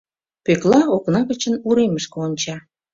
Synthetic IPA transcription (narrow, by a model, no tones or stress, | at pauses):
pøklɑoknɑɣət͡ɕənuɾeməʃkɤonʲt͡ɕɑ